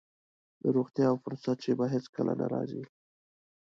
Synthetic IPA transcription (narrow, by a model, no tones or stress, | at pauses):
d̪əɾoɣt̪jɑːwfʊɾsat̪̚t͡ʃebaɦet͡skəlʔanaɾɑzi